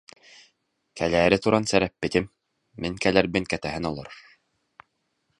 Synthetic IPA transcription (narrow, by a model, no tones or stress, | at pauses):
kʰælæːɾɘt̪uɾʔɑnsæɾæp̚ːɘ̆t̪ɘmː | iŋkælæɾbɘŋkæt̪æɦɘnɔlˠɔɾ